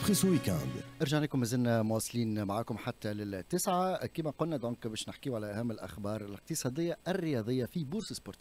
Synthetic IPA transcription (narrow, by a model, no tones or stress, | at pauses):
χiswikæ̰̃nd̪ʔɑɾʒaʕnæːkʊmːɪzɪnːæmʊwɑsˤːliːnmaʕaːkʊmħat̪ːælɪt̪ːɪsʕakiːmæqʊlnæd̪ɔ̃ːkbɛːʃnɪħkiːwʕalæʔæhæmːɪlʔæ̰xbɑːɾˤɪlɪq̚t̪əsˤɑːd̪ˤɪjːaʔærːɪjɑðˤəjːafibuːɾsəsboɾt̪